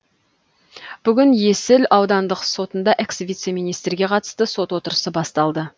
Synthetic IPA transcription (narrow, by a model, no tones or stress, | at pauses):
b̥ʏɡʲɪnje̞sɪlɑwd̪ɑnd̪əqso̞t̪ənd̪ɑʔe̞ksvʲijt̪se̞mijnijst̪rɡʲe̞qʰɑt̪ə̥st̪əso̞t̪wo̞t̪əɾəsəbɑst̪ɑlˠd̪ə